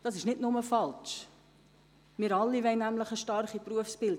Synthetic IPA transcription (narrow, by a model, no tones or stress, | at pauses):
d̥ɑsɪʃnɪtnʊməfɑlt͡ʃ | mɪɾɑlːivɛɪnːæmləχəʃtɑrχipruəfsb̥ɪld